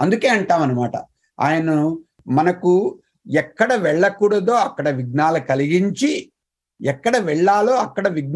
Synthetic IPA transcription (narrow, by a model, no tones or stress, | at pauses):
ɐnd̪uke̞ːɐɳʈaːʋɐnɐmaːʈɐ̰ | a̰ːjɐnɐ | mɐnɐku | ɛkːɐɽɐʋɛɭːɐkuːɽɐd̪o̞ːɐkːɐɽɐʋiɡ̚naːlɐkɐliɡiɲt͡ʃi | ɛkːɐɽɐʋɛɭːaːlo̞ːɐkːɐɽɐʋiɡ̚n